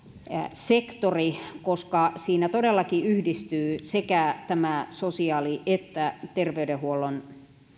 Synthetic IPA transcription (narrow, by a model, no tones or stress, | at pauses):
sekt̪orikoskɑsiːnæt̪odelːɑkiyhdist̪yːsekæt̪æmæsosiɑːliʔet̪ːæt̪erʋeydehuolːon